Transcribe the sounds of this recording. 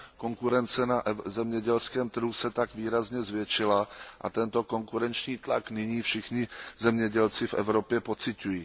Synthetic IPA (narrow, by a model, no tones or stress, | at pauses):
ko̞ŋkuɾɛnt͡sɛnaʔzɛmɲɛɟɛlskɛːmt̪r̩ɦusɛt̪aɡviːɾazɲɛzvjɛt͡ʃɪlaʔa̰t̪ɛnt̪o̞ko̞ŋkuɾɛnt͡ʃɲiːt̪laknɪɲiːfʃɪxɲɪzɛmɲɛɟɛlt͡sɪfʔɛ̰vɾo̞pjɛpo̞t͡sɪcujiː